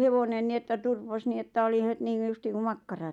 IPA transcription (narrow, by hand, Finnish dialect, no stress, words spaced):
heʋonen ni etːæ turpos ni etːæ oli het niːŋɡ̊u justiːŋ ku mɑkːɑrɑ